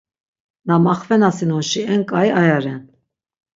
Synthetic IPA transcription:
namaχvɛnasinɔnʃiɛŋkʼajajaɾɛn

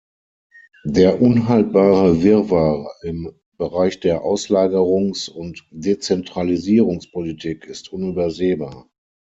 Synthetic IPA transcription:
deːɐʔʊnɦalt̚b̥aːʁəvɪɐvaːʁɪm | b̥əʁaɪçd̥eːɐʔaʊslaːɡəʁʊŋsʊntd̥et͡sɛntʁ̥aliziːʁʊŋspʰolitʰiːkʰɪstʔʊnyːbɐzeːbaːɐ

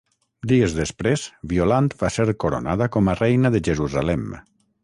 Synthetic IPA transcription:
d̪iezðespɾez̥βiolant̪baseɾkoɾo̰naðəkɔmərɛjnəðəʒeɾuzalɛm

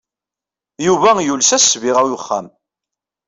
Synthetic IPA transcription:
juvæjulsæsviʁæwjʊχːa̰m

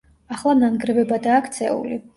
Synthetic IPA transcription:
aχlˠamnanɡɾɛvɛbad̪aːkʰt̪sʰɛ̰ṵli

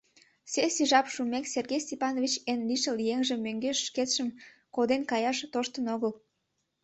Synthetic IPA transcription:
sesiʒɑpʃumekserɣejsʲt̪ʲepɑnovʲit͡ɕenliʃəljeŋʒĕmːøŋɡeʃːket̪ʃəm | kod̪enkɑjɑʃt̪oʃt̪ənoɣəl

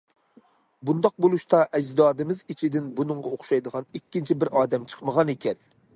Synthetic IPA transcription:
bund̪ɑq̚bolˠuʃt̪ɑʔɛd͡ʒd̪ɑːd̪ɨmɪzit͡ʃʰid̪ɪnbunɨŋʁɑoχʃɑjd̪əʁɑnikʲːint͡ʃʰibɪɾɑːd̪ɛmt͡ʃʰə̥qməʁɑnekʲɛn

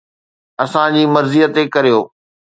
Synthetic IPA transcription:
ɐsãd͡ʑiːmɐɾzijət̪ekɐɾijoː

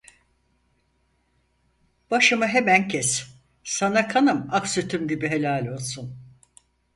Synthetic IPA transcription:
b̥aʃɯmɯɦemæncʰɛs | sanakʰanɯmaksyt̪ʰymɟibiɦe̞lʲaːlʲo̞lˠsun

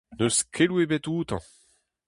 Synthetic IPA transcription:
nøskʰelwebɛt̪uːt̪ɑ̰̃

